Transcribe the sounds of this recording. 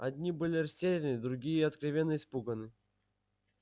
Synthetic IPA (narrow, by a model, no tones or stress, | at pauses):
ɐd̪ʲnʲibɨlʲɪrɐsʲtʲeɾʲɪnɨd̪ɾʊɡʲijəɐt̪kɾavʲenːəɪspuɡənɨ